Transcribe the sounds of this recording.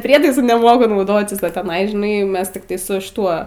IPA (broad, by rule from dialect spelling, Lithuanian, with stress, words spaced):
ˈpʲrʲiɛtɐɪsʊ nʲɛˈmoːkʊ nɐʊˈdoːtʲɪs oː tʲɛˈnɐɪ ʒʲɪˈnɐɪ ˈmʲɛs tʲɪkˈtɐɪ sʊ ʃʲɪˈtuɔ